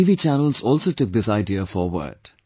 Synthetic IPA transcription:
iːʋiːt͡ʃænəlzɔːlsoːʈʊk̚d̪ɪsaɪɖiəfɔːɾʋə̰ɾɖ̥

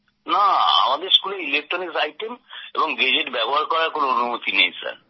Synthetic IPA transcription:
naa̰mad̪eɾskuleilek̚ʈɾoniksajʈemḛbɔŋɡed͡ʑeʈbɛboɦaɾkɔɾaɾkonoonumot̪inḛjsa̰ɾ

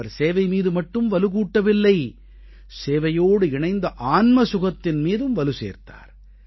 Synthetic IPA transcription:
ɐɾseːʋɐɪmiːðɯmɐʈːɯmʋɐlɯkuːʈːɐʋɪlːɐɪ | seːʋɐjoːɽɯɪɳɐɪnd̪ɐʔaːnmɐsʊɣɐt̪ːɪnmiːðɯmʋɐlɯsḛːɾt̪a̰ːɾ

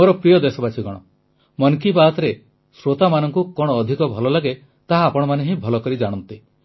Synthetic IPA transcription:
oɾɔpɾijɔd̪esɔbat͡ʃʰiɡɔɽ̃ɔ | mɔnkibat̪ɔɾe | sɾot̪amanɔŋkukɔɽ̃ɔːd̪ʱikɔbʱɔlɔlaɡe | t̪aɦaːpɔɽ̃ɔmaneɦĩbʱɔlɔkɔɾid͡ʒaɽ̃ɔnt̪i

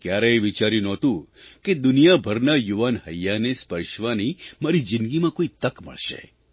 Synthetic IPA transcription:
kjaɾeːʋit͡ʃaɾjũnɔt̪ũked̪ʊnijabʱəɾnajuʋanɦəjːanespəɾʃʋanimaɾid͡ʒɪnɡimãkoit̪əkmə̰ɭʃḛ

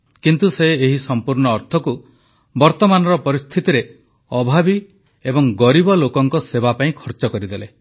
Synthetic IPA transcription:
kint̪useːɦisɔmpuɾɳɔːɾt̪ʰɔku | bɔɾt̪ɔmanɔɾɔpɔɾist̪ʰit̪iɾe | ɔbʱabi | ebɔŋɡɔɾibɔlokɔŋkɔsebapaĩkʰɔɾt͡ʃɔkɔɾid̪ele

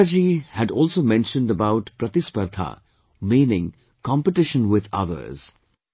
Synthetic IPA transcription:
d͡ʒihædɔːlsoːmɛ̃nʃə̃nɖəbaʊʈpɾɐt̪ɪspəɾt̪ʰa̰ | mĩːnɪ̃ŋ | kɑ̃mpəʈɪʃə̃nwɪd̪ʌ̰ðə̰ɾz̥

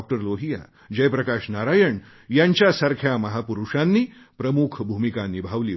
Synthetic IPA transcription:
k̚ʈəɾloɦija̰ | d͡ʑəjpɾəkaʂnaɾajəɳ | jaɲt͡ɕjasəɾkʰjaməɦapuɾuʂanːiː | pɾəmukʰbʱumikanibʱaʋliː

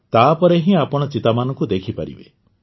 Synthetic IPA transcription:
t̪apɔɾeɦĩapɔɽ̃ɔt͡ʃit̪amanɔ̃ŋkud̪ekʰipa̰ɾḭbḛ

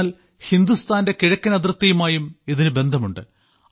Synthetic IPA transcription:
l | hind̪ust̪ʰaːnde̞kiɻɐkʲːɐnɐd̪rɐt̪ːɐjumaːjumiðinɨbe̞nd̪ʱɐmuɳɖɨ

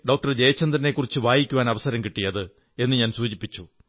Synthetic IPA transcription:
ɖo̞ːk̚ʈɐrd͡ʑejɐt͡ɕːɐnd̪rɐne̞kːurit͡ɕːɨʋaːjikʲːuʋaːnɐʋɐsɐɾɐmkiʈːijɐðɨ | e̞nːɨɲaːnsuːd͡ʑipːit͡ɕːu

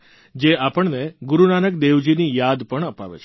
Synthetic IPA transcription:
d͡ʒeapəɳneɡuɾunanəkd̪eʋd͡ʒinijad̪pəɳəpa̰ʋḛt͡ʃʰ

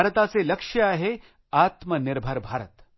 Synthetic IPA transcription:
ɾət̪at͡selɐkʂjəaːɦe | at̪mənɪɾbʱəɾbʱaːɾət̪

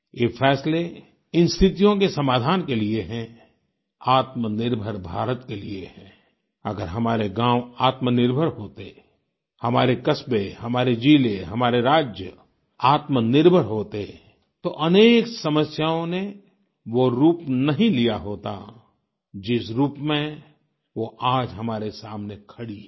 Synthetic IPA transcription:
jeːfʰɛːsle | ɪnst̪ʰɪt̪ijõkesɐmaːd̪ʱaːnkelieɦɛ̃ | aːt̪mənɪɾbʱəɾbʱaːɾət̪keliehɛ̃ː | ɐ̰ɡəɾɦɐmaːɾeɡãːwaːt̪mənɪɾbʱəɾɦoːt̪e | hɐmaːɾekɐsbehɐmaːɾed͡ʒiːleɦɐmaːɾeɾaːd͡ʒjə | aːt̪mənɪɾbʱəɾɦoːt̪e | t̪oʔɐneːksɐməsjaːõne | ʋoɾuːpnɐɦĩlijaɦoːt̪a̰ | d͡ʒɪsɾuːpmẽ | ʋoʔaːd͡ʒɦɐmaːɾesaːmnekʰɐɽi

